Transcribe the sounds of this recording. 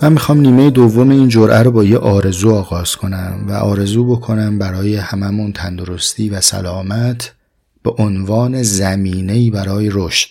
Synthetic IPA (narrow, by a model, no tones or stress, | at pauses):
mæmːixɒːmniːme̞jed̪ovːo̞me̞iːnd͡ʒoɾʔæɾobɒːjeʔɒːɾe̞zuːɒːɣɒːz̥kʰo̞næmvæʔɒːɾe̞zuːbo̞kʰo̞næmbæɾɒːje̞hæmæmunt̪ʰænd̪o̞ɾo̞st̪ʰiːvæsæ̰lɒːmæt̪ʰ | b̥eʔonvɒːne̞zæmiːne̞iːbæɾɒːjeɾoʃt̪